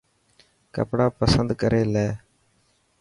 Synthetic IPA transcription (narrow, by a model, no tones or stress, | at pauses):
kə̰pɽaːpəsənd̪kəɾeːlɛː